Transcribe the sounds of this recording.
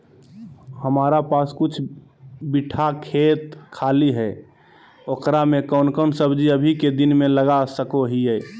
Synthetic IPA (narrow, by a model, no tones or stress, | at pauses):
həmaːɾapaːskʊt͡ʃʰ | biʈʰakʰeːt̪kʰaːliɦɛ | oːkɾamẽkəʊnkəʊnsəbd͡ʒiəbʱiked̪ɪnmẽləɡasəkoɦiɛː